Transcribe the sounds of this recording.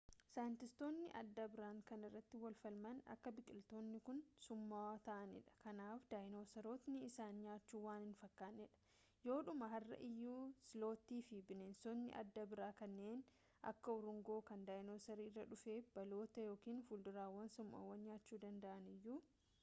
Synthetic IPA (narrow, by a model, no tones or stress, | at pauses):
sɐːjɪnt̪ɪst̪o̞ːnːɪʔɐ̰d̪ːɐbɪɾaːŋkɐnɪrːɐt̪ːɪwɐlfɐlmɐnɐ̰kːɐbɪkʼɪlt̪o̞ːnːɪkʊnsʊmːat̪ɐʔɐnɪ̰ᶑɐ̥kɐnaːfd̪aːjnoːsɐɾoːt̪nɪɪsaːnɲaːt͡ʃːuːwaːnɪnfɐkːaːnːɛᶑɐ̥ | jo̞ːᶑʊmɐɦɐrːɐ̰ʔɪjːuːsɪlo̞ːt̪iːfɪbɪnensoːnːɪ̰ʔɐ̰d̪ːɐbɪɾaːkɐnːeːn | ʔɐ̰kːɐɔɾʊŋɡo̞ːkɐnd̪aːjnoːsɐɾiːrːɐᶑʊfe̞ːb̥ɐlo̞ːt̪ɐjo̞ːkiːnfʊld̪ʊɾaːwːɐnsʊmːa̰ːwɐnɲaːt͡ʃːuːd̪ɐnd̪ɐʔɐnɪjːuː